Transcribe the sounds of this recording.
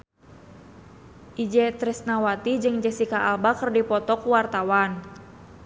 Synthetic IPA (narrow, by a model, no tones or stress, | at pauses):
ʔid͡ʒɛt̪ɾɛsnawat̪id͡ʒɨŋd͡ʒɛsikaʔalbakərdipɔt̪ɔkuwart̪awan